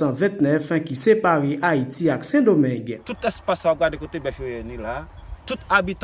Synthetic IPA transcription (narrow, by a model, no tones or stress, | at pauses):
ãvɛ̃t̪nɛfkisepaʁeʔaitiaksɛ̃domɛ̃ɡt̪ut̪ɛspasaoɡadekot̪ebɛfojenĩlat̪ut̪abit̪